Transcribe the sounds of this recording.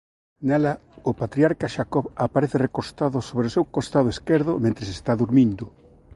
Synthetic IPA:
nɛlaopat̪ɾiaɾkaʃakɔβapaɾeθɪrekost̪aðosoβɾeosewkost̪aðoeskeɾðʊmẽnt̪ɾesest̪aðuɾmĩnd̪ʊ

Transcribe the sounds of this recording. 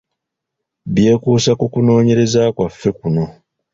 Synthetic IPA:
βje̞ːkuːsakukuno̞ːɲe̞ɾe̞zaːkwafːe̞kuno̞

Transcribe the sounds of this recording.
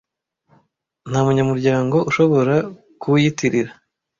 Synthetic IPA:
n̥hamuɲamuɾɟaːŋɡo̞ʔuʃo̞βo̞ɾa | kujitiɾiɾa

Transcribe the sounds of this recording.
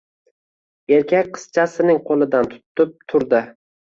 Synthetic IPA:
e̞ɾkʲʰakʲqʰɨ̥z̥t͡ʃʰasɪnɪŋqʰolˠɪd̪ant̪ʰʊ̥t̪ʰːɪp̚t̪ʰʊɾd̪ɪ

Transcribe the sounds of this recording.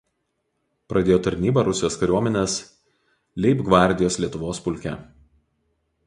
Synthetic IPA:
pɾʔɐd̪ʲeːjoːt̪ɐɾʲnʲiːbɐɾʊsʲɪjoːskɐɾʲuɔmʲɛnʲeːs | lʲɛɪpɡʋɑˑɾʲˑd̪ʲɪjoːslʲiɛt̪ʊʋoːspʊlʲkʲɛ̰

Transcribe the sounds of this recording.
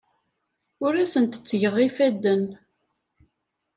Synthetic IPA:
ʊɾæsənt̪ə̥t͡sːʝəʁːifæd̪ːən

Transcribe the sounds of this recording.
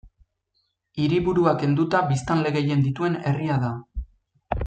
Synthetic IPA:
iɾiβuɾuake̞nd̪ut̪aβist̪anle̞ɣe̞je̞nd̪it̪ue̞ne̞riaða

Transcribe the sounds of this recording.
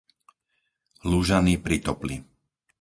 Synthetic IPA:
luʒanipɾit̪ɔpli

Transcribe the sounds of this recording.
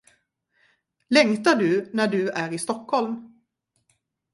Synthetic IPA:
lɛŋt̪aɖɵnæɖɵæɾɪst̪ɔkhɔlm

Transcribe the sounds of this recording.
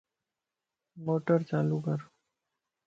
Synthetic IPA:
moːʈəɾt͡ʃaːlukəɾ

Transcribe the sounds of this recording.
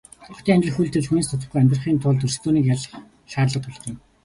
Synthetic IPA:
ʊχt̪ʰiːŋamʲt͡ɕɪ̆ɘ̆xujɮt̪ʰɘ̆ɮxuniːst̪ʰʊt̪ə̆χɡujamʲt̪rə̆χiːnt̪ʰʊɮt̪ɵrst̪oːniːkjaɮ̆χ | ʃaːrɮə̆t̪ɔɮt̪ə̆n

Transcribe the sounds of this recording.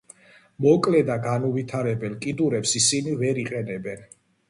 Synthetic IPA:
mɔkʼlɛd̪aɡanuvit̪ʰaɾɛbɛlkʼid̪uɾɛpsisinivɛɾiqʼɛnɛbɛn

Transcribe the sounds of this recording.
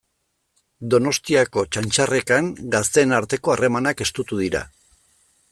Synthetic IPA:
d̪o̞no̞st̪iako̞t͡ʃant͡ʃare̞kaŋɡast̪e̞naɾt̪e̞ko̞are̞manake̞st̪ut̪uð̞iɾa̰

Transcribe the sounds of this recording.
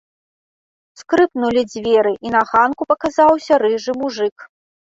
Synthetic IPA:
skɾɨpnulʲid͡zʲvʲɛɾɨʔinɐɣankupɐkazawsʲɐɾɨʐɨmuʐɨk

